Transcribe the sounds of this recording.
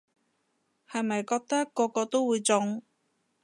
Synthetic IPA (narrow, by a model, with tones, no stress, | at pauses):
hɐ˨˩jmɐ˨jkɔː˧k̚t̪ɐ˥kːɔː˧kɔː˧t̪o˥wwuː˧jt͡sʊ˨˧ŋ